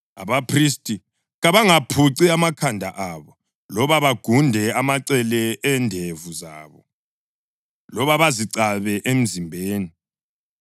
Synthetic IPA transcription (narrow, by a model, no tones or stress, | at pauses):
a̰βapʰristʼi | ɣaβaŋapʰuǀiamakʰandʱaʔaβɔ | lɔβaβaɡ̥ʱundʱɛamaǀɛlɛɛndʱevuza̰ːβɔ̰ | lɔβaβaziǀaβɛʔem̩zimbʱeːni